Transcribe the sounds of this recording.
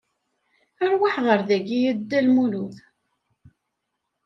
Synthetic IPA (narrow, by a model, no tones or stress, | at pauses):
əɾwaħʁəɾðæɡijəd̪ːælmuluθ